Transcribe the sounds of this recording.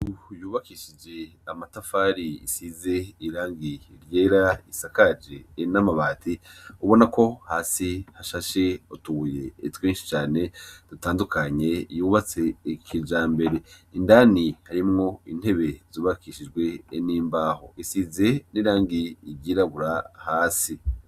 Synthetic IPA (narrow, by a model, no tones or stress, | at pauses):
ujuːβakiʃid͡ʒe̞amatafaɾiḭsize̞iɾaːŋɡiɾje̞ːɾaisakad͡ʒe̞namaβaːtiuβo̞nako̞haːsihaʃaʃeotuβuje̞ːtwiːnʃi̥t͡ʃaːne̞d̥utaːndukʰaɲe̞juːβat͡se̞ːkʰid͡ʒaːmbe̞ɾe̞indaːnihaɾimŋo̞ḭn̥he̞βe̞zuːβakʰiːʃid͡ʒɡwe̞niːmbaːho̞̰isize̞niɾaːŋɡiːɾɟiɾaβuɾahaːsi